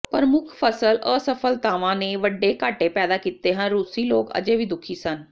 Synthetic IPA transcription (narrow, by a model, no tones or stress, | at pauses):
pəɾmʊkʰpʰəsələːsəpʰəlt̪aːʋãːneːʋəɖːeːkaːʈeːpɛːd̪aːkiːt̪eːɦənɾuːsiːloːkə̰d͡ʒeːʋiːd̪ʊkʰiːsən